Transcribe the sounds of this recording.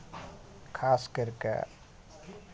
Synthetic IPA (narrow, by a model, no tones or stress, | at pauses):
kʰaskəɾkḛ